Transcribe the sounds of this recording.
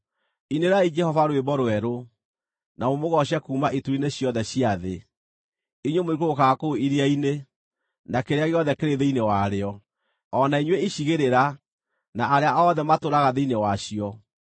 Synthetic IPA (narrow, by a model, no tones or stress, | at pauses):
ineɾaid͡ʒɛhɔvaɾwebɔɾwɛɾo | namomoɣɔɕ̬akuːmaʔituineɕjɔðɛɕiaðe | iɲwomoikookakoiɾiaine | nakeɾeaɣeɔðɛkeɾeðeinewaɾeɔ | ɔnaiɲweiɕiɣeɾeɾa | naʔːɾeaʔɔːðɛmatoɾaɣaðeinewaɕiɔ